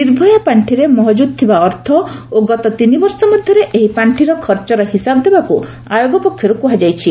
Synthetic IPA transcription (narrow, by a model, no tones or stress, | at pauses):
niɾbʱɔjɔpaɳʈʰiɾemɔɦɔd͡ʒud̪̚t̪ʰibaɔɾt̪ʰɔoɡɔt̪ɔt̪inibɔɾsɔmɔd̪ʱjɔɾeʔeɦipaɳʈʰiɾɔkʰɔɾt͡ʃɔɾɔɦisabɔd̪ebaku | ajoɡɔpɔkʰːjɔɾukuɦad͡ʒajt͡ʃʰi